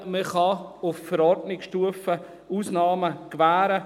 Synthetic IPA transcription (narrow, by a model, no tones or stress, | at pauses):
məχɑʊffəɾɔɾdnɪksʃtuəfə | uːsnɑːməkvæːɾə